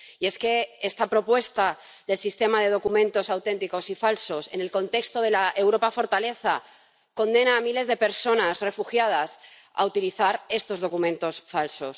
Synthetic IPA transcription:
ie̞ske̞est̪apɾo̞pwe̞st̪a | ðe̞lsist̪e̞mað̞e̞ð̞o̞kumẽ̞nt̪o̞sawt̪ẽ̞nt̪iko̞sifalso̞se̞ne̞lkõ̞nt̪e̞kst̪o̞ð̞e̞laʔe̞wɾo̞pafo̞ɾt̪ale̞θa | kõ̞nd̪e̞naːmile̞zðepe̞ɾso̞nasre̞fuxjað̞as | a̰ut̪iliθaɾe̞st̪o̞zð̞o̞kumẽnt̪o̞sfalso̞s

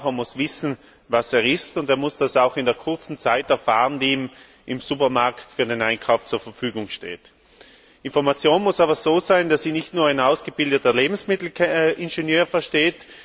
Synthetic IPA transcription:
eɐmʊsv̥ɪsn̩ | vaseːʁɪstʊndeːɐmʊsd̥asaʊxɪndeːɐkʰʊɐt͡sn̩t͡saɪtɛɐfaːʁəndiiːm | ʔɪmsupɐmaɐktfyːɐdenaɪnkʰaʊft͡suːɐfɛɐfyːɡʊŋʃtḛːt | ʔɪnfɔɐmat͡sjoːnmʊsaːbɐzoːzaɪndasiːnɪçtnuːɐaɪnaʊsɡ̥əb̥ɪldətɐleːbm̩smɪtl̩ʔɪnʒenjøːfɛɐʃteːt

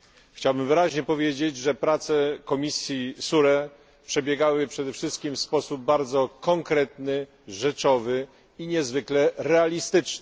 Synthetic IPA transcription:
xt͡ɕawbɘmvɘɾaʑɲɛpɔvʲjed͡ʑed͡ʑʐɛpɾat̪sɛkɔmʲisʲjisuɾɛ | pʂɛbʲjɛɡawɘpʂɛd̪ɛfʂɘst̪̚kʲimfspɔsub̚ːaɾd̪zɔkɔŋkɾɛt̪nɘ | ʐɛt͡ʂɔvɘ | iɲɛzvɘklɛɾɛalʲist̪ɘt͡ʂnɛ

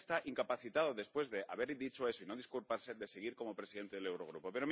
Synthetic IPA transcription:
st̪aʔiŋkapaθit̪að̞oðe̞spwe̞zðe̞aβe̞ɾd̪it͡ʃo̞e̞soinoð̞iskulpaɾse̞d̪e̞seɣ̞iɾko̞mo̞pɾe̞siðe̞nt̪eð̞elewɾo̞ɣ̞ɾupo̞pe̞ɾo̞m

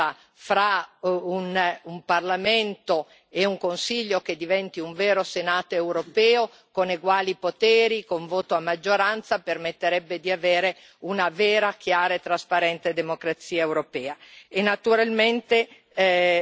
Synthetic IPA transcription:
a | fɾaunumparlament̪o | euŋkonsiʎːoked̪ivɛnt̪iuɱveːɾosenaːt̪oewɾopɛːo | koneɡwaːlipot̪ɛːɾikoɱvoːt̪oamːad͡ʒːoɾant̪sapermet̪ːeɾɛbːed̪iaveːɾe | unaveːɾakjaːɾaet̪ːɾaspaɾɛnt̪ed̪emokɾat̪siːaewɾopɛːaenːat̪uɾalment̪e

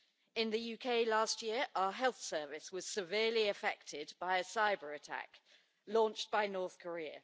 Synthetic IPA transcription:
ɪ̃nðəjʉːkʰeɪlɑˑstjɪəɹʔaʊəɦɛlˠθsɜːˑvɪswɒz̥sɪvɪəliəfɛ̰k̚tʰɪdbaɪəsaɪbəɹətʰa̰k | lɔ̃ˑnt͡ʃb̥aɪnɔˑθkʰəɹiə̰

